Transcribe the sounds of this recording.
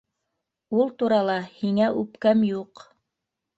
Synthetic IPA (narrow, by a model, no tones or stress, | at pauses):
ulˠt̪uɾɑlˠɑhiŋæʔʉpkæmjuq